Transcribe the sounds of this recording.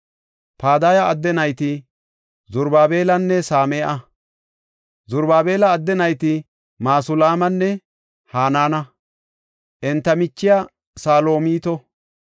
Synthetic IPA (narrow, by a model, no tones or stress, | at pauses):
paːd̪aːjɐɐd̪ːɛnɐjt̪ɪ | zʊɾbaːbe̞ːlɐnːɛsaːmeːʔɐ | zʊɾbaːbe̞ːlɐːd̪ːɛnɐjt̪ɪ | maːsʊlaːmɐnːɛ | haːnaːnɐ | ʔɛnt̪ːɐmɪt͡ʃːɪja | saːlo̞ːmiːt̪ɔ